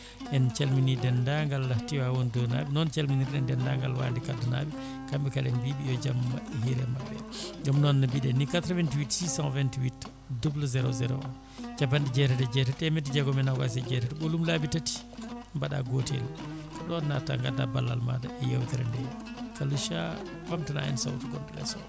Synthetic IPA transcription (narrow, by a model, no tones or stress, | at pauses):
ʔɛnt͡ʃelminidɛndaŋɡalːahtiwawɔndɔna̰binɔnt͡ʃelminiɾɗɛndɛndaŋɡalwa̰ːndikadana̰bi | kambɛkalɛnbibijɔd͡ʒamːaʔhiɾɛmabːɛd͡ʒɔmnɔnːabiɗɛnːikat̪ɾavɛntiwitsisanvɛntiwit | dubluzɛɾɔzɛɾɔ̰an | d͡ʒabandid͡ʒɛtɛtɛd͡ʒɛtɛtɛmɛtid͡ʒɛɡɔmɛnaɡa̰s̬ɛd͡ʒɛtɛtɛɓolumlabitati̥ | mbaɗa̰ɡotɛ̰lkaɗɔnːata̰ŋɡadabalːa̰lma̰daʔɛjawtiɾa̰ndɛ | kaluʃa | wamtana̰ɛ̰nsa̰wtuɡɔmɗɛɡa̰sɔ̰